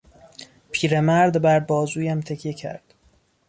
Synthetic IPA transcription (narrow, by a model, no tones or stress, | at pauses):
pʰiːɾemæɾd̪bæɾbɒːzuːjæmt̪ʰecʰjecʰæ̰ɾd̪̥